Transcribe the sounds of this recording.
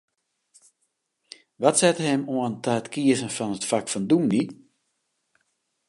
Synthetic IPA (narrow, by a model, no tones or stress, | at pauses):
ʋatsɛtɦɛmoəntəətkʰiəzənfɔnətfakfɔnduni